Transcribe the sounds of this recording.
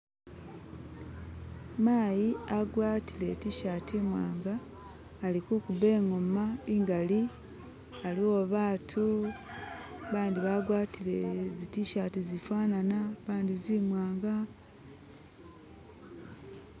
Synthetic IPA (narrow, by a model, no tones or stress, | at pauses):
maːjiaɡwaːtile̞tiʃatʰimwa̰ːŋɡaː | likukuβe̞ːŋo̞maiŋɡali | alioβaːtʰu | βaːndiβaɡwaːtilezitiʃatizifaːnanaβaːndizimwaːŋɡa